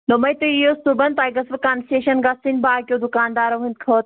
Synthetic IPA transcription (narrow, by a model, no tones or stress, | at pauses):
lomɐjt̪uijosubɐnt̪aːjɡɐsʋɐkanseːʃɐnɡasinbaːkʲod̪ukaːnd̪aːɾɐʋɦũnt̪kʰoːt̪̚